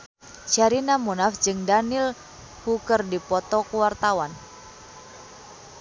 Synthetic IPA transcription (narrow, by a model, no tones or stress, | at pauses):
t͡ʃaɾinamunafd͡ʒɨŋdanil | hukərdipɔt̪ɔkuwart̪awan